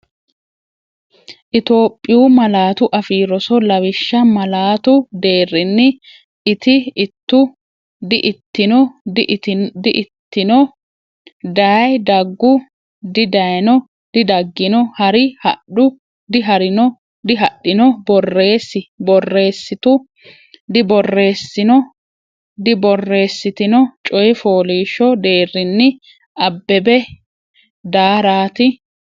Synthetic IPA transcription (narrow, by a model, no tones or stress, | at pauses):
ʔɪt̪o̞ːpʼːɪjuːmɐlaːt̪ʊʔɐfiːɾɔsɔlɐwɪʃːɐmɐlaːt̪ʊd̪e̞ːrːɪnːɪ | ʔɪt̪ɪɪt̪ːʊ | d̪ɪʔt̪ːɪnɔ | d̪ɪʔt̪ːɪnɔ | d̪aːjd̪ɐɡːʊ | d̪ɪd̪ɐnɔ | d̪̥ɪd̪ɐɡːɪnɔhɐɾɪhɐ̰ɗʊ | d̪ɪɦɐɾɪnɔ | d̪ɪɦɐɗːɪnɔbɔrːe̞ːsːɪbɔrːe̞ːsːɪt̪ʊ | d̪ɪbɔrːe̞ːsːɪnɔ | d̪ɪbɔrːe̞ːsːɪt̪ɪnɔt͡ʃʼɔjɛfoːliːʃɔd̪e̞ːrːɪnːɪ | ʔɐbːɛbɛ | d̪aːɾaːt̪ɪ